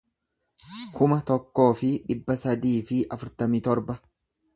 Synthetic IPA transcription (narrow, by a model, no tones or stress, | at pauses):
kʰʊmɐt̪ɔkːo̞ːfɪᶑɪbːɐsɐd̪iːfɪʔɐfʊɾt̪ɐmiːt̪ɔɾbɐ